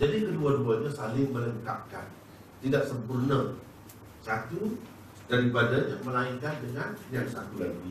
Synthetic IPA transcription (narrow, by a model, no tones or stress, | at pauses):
d͡ʒadikəduaduaɲasalɪŋmə̃ləŋka̰p̚ka̰n | t̪idaʔsəmpurnə̃ | sat̪u | d̥aɾipadaɲaməlaiŋkandəŋãndiansat̪ulaɡi